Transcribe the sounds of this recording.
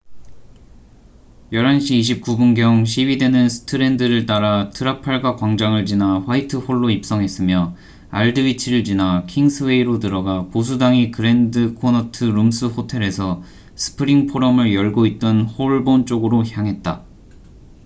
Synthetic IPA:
jʌɾɦanɕʰiːɕ̬ʰip̚k͈ubunɡjʌŋɕ̬ʰiwide̞nɯnsʰɯ̥tʰɯɾe̞ndɯɾɯɭt͈aɾatʰɯɾapʰaɭɡwakwaŋd͡ʑaŋɯɭd͡ʑinaɸwaitʰɯɸoɭːoip̚s͈ʌŋɦe̞s͈ɯmjʌ | aɭdɯit͡ɕʰiɾɯɭd͡ʑinakʰiŋsʰɯwe̞iɾotɯɾʌɡapos̬ʰudaŋikɯɾe̞ndɯkʰonʌtʰɯɾumsʰɯɸotʰe̞ɾe̞sʰʌ | sʰɯ̥pʰɯɾiŋpʰoɾʌmɯɭjʌɭɡoit̚t͈ʌnhoɭbont͡ɕ͈oɡɯɾoçjaŋɦe̞t̚t͈a

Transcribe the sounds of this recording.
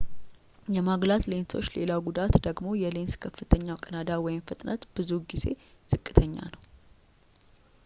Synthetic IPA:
jɛmaɡlat̪le̞nso̞t͡ʃːle̞lawɡud̪at̪d̪əɡmo̞jɛle̞nskʰəfːɨt̪ʰəɲːawkʼənad̪awɔjɪmfɨt̪ʼnʔət̪b̥ɨzuɡize̞̰z̥ɨkʼːɨt̪ʰəɲːa̰nəw

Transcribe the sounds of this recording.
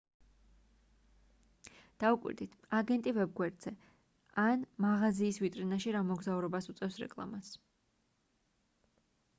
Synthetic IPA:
d̪̥aukʼwḭɾd̪it̪ʰaɡɛnt̪ʼivɛb̚ɡwɛɾd̪z̥ɛ | anmaʁaziːsvit̪ʼɾinaʃiɾamɔɡzauɾɛbasut̪sʼɛfsɾɛ̰kʼlˠa̰mas

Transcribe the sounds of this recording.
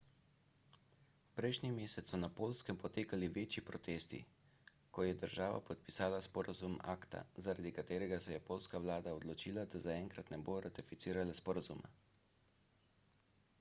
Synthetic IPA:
pɾɛjʃnimeːsɛt̪sːɔnapoːlskɛmpɔt̪eːkaliʋeːt͡ʃipɾɔt̪eːst̪ḭ | kɔjɛd̪əɾʒaːʋa̰pɔt̪̚pi̥saːlaspɔɾazuma̰ːkt̪a̰zaɾad̪ikat̪eːɾɛɡasɛjɛpoːlskaʋlaːd̪aɔd̪lɔt͡ʃiːlad̪azaɛŋkɾat̪nɛboɾat̪ifit̪siːɾalaspɔɾazuma̰

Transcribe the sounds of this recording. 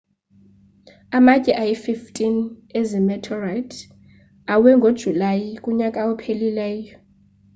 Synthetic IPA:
amacʼɛʔajififtʼinɛzimɛtʰɔrajtʰ | awɛŋɡʱod̥ʒ̥ʱulajikʼuɲakʼaɔpʰelilɛːjɔ

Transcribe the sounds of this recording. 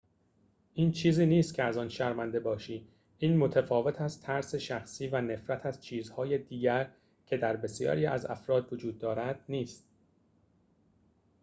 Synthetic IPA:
ʔiːnt͡ʃʰiːziːniːst̪cʰeæzɒːnʃæɾmænd̪e̞bɒːʃiː | ʔiːnmo̞t̪ʰæfɒːve̞t̪ʰæzt̪ʰæɾse̞ʃæxsiːvæne̞fɾæt̪ʰæzt͡ʃʰiːzhɒːjed̪iːɟæɾ | cʰe̞d̪æɾbe̞sjɒ̰ːɾiːʔæ̰zæ̰fɾɒːd̪vod͡ʒuːd̪̚ːɒːɾæd̪̥̚niːst̪̚

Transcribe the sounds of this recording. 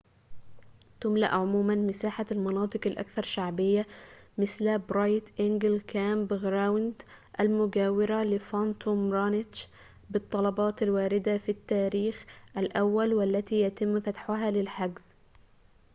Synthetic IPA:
t̪ʊmla̰ʔʕʊmuːmanmɪsaːħalmɑnɑːt̪ˤɨqalʔa̰kθɑɾˤʃaʕbɪjːamɪslbɾɑːjt̪ʔɪŋɡɪlkaːmbɪɣɾawnt̪ʔalmʊɡaːwɪɾalɪfant̪ʰomɾanɪtt͡ʃ | bɨt̪ˤːɑlɑbɑːt̪alwaːɾɪd̪afit̪ːaːɾiːxʔalʔawːalwalːat̪iːjat̪ɪmːfat̪ħʊɦalɪlħaɡz̥

